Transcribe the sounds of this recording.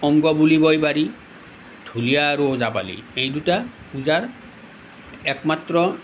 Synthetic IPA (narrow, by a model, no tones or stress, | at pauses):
ɔŋɡɔbulibɔjbaɹi | dʱulijaːɹuozapa̰lḭejduta | uzaɹ | ɛkmatɹɔ